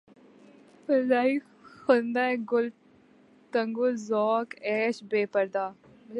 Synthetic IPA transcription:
pəlaːi | xʊnd̪aːɛ̃ɡʊl | t̪əŋɡozɔːkɛːʃbeːpəɾd̪aː

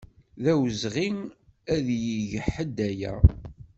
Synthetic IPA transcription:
ðæwəzʁiŋæðjiʝəħəd̪ːæjæ̰

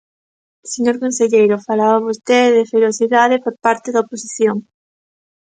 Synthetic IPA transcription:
seɲoɾkõnseʎejɾofalaβaβost̪eððefeɾoθiðaðepoɾpaɾt̪eðɐoposiθjoŋ

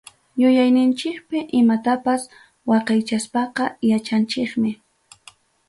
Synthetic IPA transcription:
jʊjajnɪnt͡ʃɪkpɪʔɪmat̪apas | wɑqɑjt͡ʃaspɑqɑjat͡ʃant͡ʃɪkmɪ

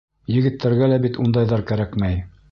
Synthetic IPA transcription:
jɘ̆ɡɘ̆t̪ːæɾɡælæbit̪und̪ɑjðɑɾkæɾækmæj

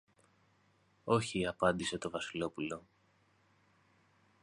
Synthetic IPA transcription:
o̞çiɐpɐnd̪ise̞t̪o̞vɐsilo̞pulo̞

